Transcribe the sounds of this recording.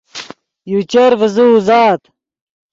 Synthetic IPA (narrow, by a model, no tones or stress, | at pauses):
jut͡ɕɐɾvəzuːzaːt̪